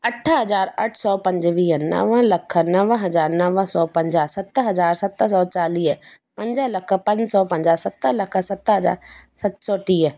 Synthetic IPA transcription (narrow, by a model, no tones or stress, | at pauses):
ɐʈʰəɦɐzaːɾəʈʰsɔːpɐ̃ɲd͡ʒʋiːnə̰ʋə̃ləkʰnəʋə̃ɦɐzaːɾnɐʋəsɔːpɐ̃ɲd͡ʒəsɐt̪ːɦɐzaːɾsɐt̪əsɔːt͡ʃaːliːɦ | pɐ̃ɲd͡ʒələkʰpɐ̃ɲd͡ʒsɔːpɐ̃ɲd͡ʒasɐt̪ːələkʰsɐt̪ːəɦəd͡ʒa̰ːɾsɐt̪sɔːt̪iːə